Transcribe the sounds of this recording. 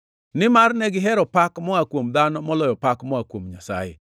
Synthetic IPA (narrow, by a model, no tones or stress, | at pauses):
nɪmarnɛɡɪɦɛɾɔpakmɔakwomd̪anɔmɔlɔjɔpakmɔakwomɲasa̰jḛ